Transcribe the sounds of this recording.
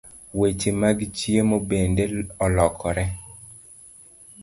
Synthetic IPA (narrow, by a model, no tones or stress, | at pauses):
wet͡ʃemaɡit͡ʃjemobendeɔlɔkʰɔɾɛ